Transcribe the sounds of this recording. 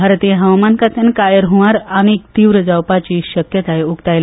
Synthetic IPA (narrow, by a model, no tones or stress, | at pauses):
aɾt̪ijɦəʋmankat̪ʰjankajəɾɦuʋaɾañik̚t̪iːʋɾəd͡zawpat͡ɕiːɕəkjət̪ajukt̪ajl